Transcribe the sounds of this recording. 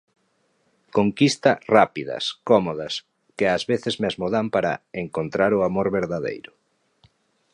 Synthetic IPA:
koŋkist̪ɐrapiðɐ̰skɔmoðɐs | kɪazβeθɪzmeazmoðampaɾa̰eŋkont̪ɾaɾʊamoɾβeɾðaðḛjɾʊ

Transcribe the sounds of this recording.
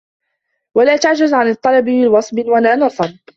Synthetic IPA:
walaːt̪aʕd͡ʒazʕanɨt̪ˤːɑlɑbɪmɪwɑsˤbɪwanaːnɑsˤɑɾˤ

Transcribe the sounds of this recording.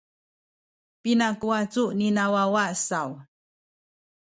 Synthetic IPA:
pinakuat͡suninawawasaw

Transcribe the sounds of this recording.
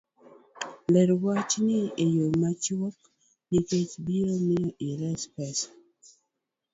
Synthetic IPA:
lɛɾwat͡ʃnɪejomat͡ʃwɔk | niket͡ʃbiɾomɪɔʔiɾɛspɛs

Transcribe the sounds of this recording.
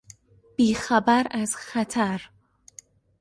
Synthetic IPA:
b̥iːxæbæɾæz̥xæt̪ʰæɾ

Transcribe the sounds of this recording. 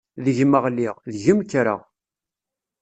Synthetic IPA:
ðəʝməʁlːiʁðʝəmkːɾə̰ʁ

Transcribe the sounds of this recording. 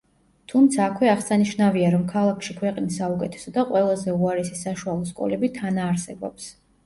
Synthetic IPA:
t̪ʰumt̪sʰaːkʰwɛaʁsaniʃnaviaɾɔmkʰalˠakʰʃikʰwɛqʼnisːaukʼɛt̪ʰɛ̥sɔd̪aqʼwɛlˠazɛuaɾɛsisaʃualˠɔskʼɔ̰lɛbit̪ʰanaːɾsɛbɔ̰ps

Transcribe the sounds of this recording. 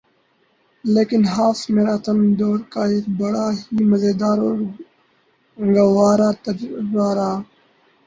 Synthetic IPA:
leːkɪnɦaːfmeːɾaːt̪əmd̪oːɾkaːeːkbəɽaːɦiːməzeːd̪aːɾoːɾ | ɡawaːɾaːt̪əɾɾaːɾaː

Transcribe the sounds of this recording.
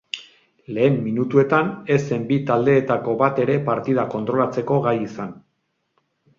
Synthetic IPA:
le̞ːmːinut̪ue̞t̪ane̞se̞mbit̪ald̪e̞ːt̪ako̞βat̪e̞ɾe̞paɾt̪iðako̞nt̪ɾo̞lat͡se̞ko̞ɣajisan

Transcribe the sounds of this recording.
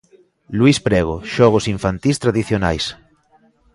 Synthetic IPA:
luispɾɛɣ̞o̰ʃɔɣ̞osiɱfant̪ist̪ɾaðiθjona̰js

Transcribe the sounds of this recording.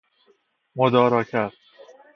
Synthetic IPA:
mod̪ɒːɾɒːcʰæɾd̪̥

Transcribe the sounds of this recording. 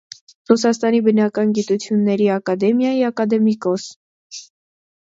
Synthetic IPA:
rusɑst̪ɑnibənɑkɑnɡit̪ut͡sʰjunːɛɾiɑkɑd̪ɛmjɑjiɑkɑd̪ɛmikɔs

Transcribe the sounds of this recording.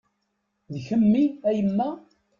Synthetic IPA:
ðçəmːiæjəmːæ

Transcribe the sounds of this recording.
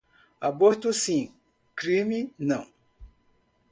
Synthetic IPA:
aboɾt̪ʊsĩ | kɾĩminɐ̃w̃

